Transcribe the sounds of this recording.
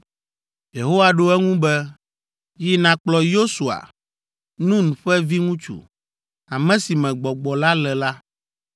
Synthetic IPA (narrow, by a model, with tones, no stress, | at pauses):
je˨ɦo˦wa˨ɖo˦ɛ˦ŋũ˦bɛ˦ | ji˦nã˨k͡plɔ˨jo˦su˨a̰˨ | nũ˦nũ˨ɸɛ˦vi˦ŋũ˦t͡ʃṵ˨ | a˨mɛ̃˦si˨mɛ̃˨ɡ͡bɔ˨ɡ͡bɔ˨la˦lɛ˨la˦